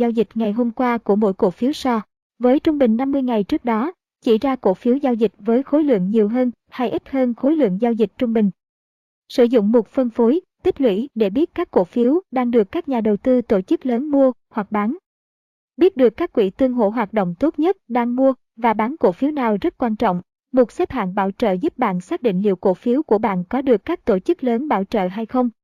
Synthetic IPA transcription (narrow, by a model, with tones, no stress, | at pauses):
zaː˧wzï˨˩k̟̚ŋa˨˩jɦo˧mkwaː˧ku˧˩əmo̰˧˥˨jko̰˧˩fi˨˦wsɔ˧ | vəː˨˦jt͡ɕʊ˧ŋ͡mɓï˨˩ŋ̟na˧mːɨ˧əjŋa˨˩jt͡ɕɨ˦˥ək̚ɗɔ˨˦ | t͡ɕḭ˧˩zaː˧ko̰˧˩fi˨˦əwzaː˧wzi˨˩k̟̚vəː˨˦jxo˨˦jlwɨ̰˧˨əŋɲi˨˩əwɦəː˧n | ha˧jʔi˦˥t̚həː˧nxo˨˦jlwɨ̰˧˨əŋzaː˧wzi˨˩k̟̚t͡ɕʊ˧ŋ͡mɓï˨˩ŋ̟ | sɨ̰˧˩zʊ̰˧˨ŋ͡mmo˨˩t̚fə˧nfo˨˦jt̪i˦˥p̚lwḭ˧˥ɗe˧˩ɓi˦˥ət̚kaː˦˥kko̰˧˩fi˨˦wɗaː˧ŋɗɨ˨˩əkːaː˦˥k̚ɲaː˨˩ɗə˨˩wt̪ɨ˧wt̪o˧˩t͡ɕɨ˦˥k̚ləː˨˦nmu˧əhwa˨˩k̚ɓaː˨˦n | ɓi˦˥ət̚ɗɨ˨˩əkːaː˦˥kːwḭ˧˩t̪ɨ˧əŋɦo̰˧˩˨ɦwaː˨˩t̚ɗo̰˧˨wŋ͡mt̪o˦˥t̚ɲə˦˥t̚ɗaː˧ŋmu˧ə | vaː˨˩ɓaː˨˦nko̰˧˩fi˨˦wnaː˨˩wzə˦˥t̚kwaː˧nt͡ɕɔ̰˧˨wŋ͡m | mo˨˩t̚sɛ˦˥p̚ha̰ː˧˨nɓa̰ː˧˩wt͡ɕə̰ː˧˨zu˦˥p̚ɓa̰ː˧˨nsaː˦˥k̚ɗḭ˧˨ŋ̟lḭ˧˨əwko̰˧˩fi˨˦əwku˧˩əɓa̰ː˧˨nkɔ˨˦ɗɨ˨˩əkːaː˦˥k̚t̪o˧˩t͡ɕɨ˦˥k̚ləː˨˦nɓa̰ː˧˩wt͡ɕə̰ː˧˨ɦa˧jxə˧wŋ͡m